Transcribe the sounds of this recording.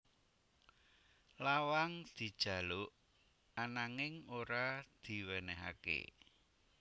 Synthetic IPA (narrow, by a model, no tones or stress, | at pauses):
lawaŋd̪̥i̤d̥ʒ̥ä̤lʊʔ | anaŋɪŋoɾad̪̥i̤wɛnɛɦa̰kḛ